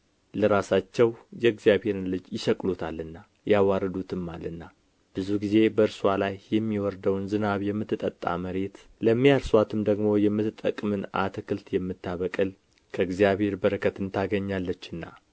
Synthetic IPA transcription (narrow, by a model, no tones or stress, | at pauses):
ləɾasat͡ʃːɛwjɛɨɡzijaβhe̞ɾɨnlɨd͡ʒjɪʃəkʼlut̪ʰalːɨnːa | jawaɾəd̪ut̪ʰɨmːalɨnːa | b̥ɨzuɡize̞bəɨɾswalajːɛmːiwɔɾd̪əwnzɨnaβjɛmːɨt̪ːɨt̪ʼə̰t̪ʼːa̰məɾe̞t̪ | ləmːijaɾswat̪ʰɨmd̪əɡmo̞jɛmːɨt̪ɨt̪ʼːəkʼmɨna̰t̪ʰəkʰɨlt̪jɛmːɨt̪ʰːaβəkʼɨl | kʰəɨɡzijaβhe̞ɾbəɾəkʰət̪ɨnt̪ʰaɡəɲːalːət͡ʃːɨnːa̰